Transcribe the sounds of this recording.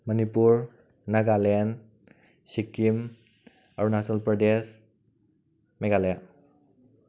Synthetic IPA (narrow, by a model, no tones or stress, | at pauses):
mənipuɾ | naɡalen | sikim | aɾunasɔlpɾɔdes | meɡaleja